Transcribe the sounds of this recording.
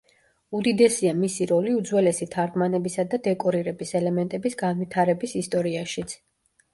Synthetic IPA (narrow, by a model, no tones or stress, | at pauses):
ud̪id̪ɛsiamisiɾɔliud̪zwɛlɛsit̪ʰaɾɡmanɛbisad̪ad̪ɛkʼɔɾiɾɛbisɛlɛmɛnt̪ʼɛbisɡanvit̪ʰaɾɛbisist̪ʼɔɾiaʃit̪sʰ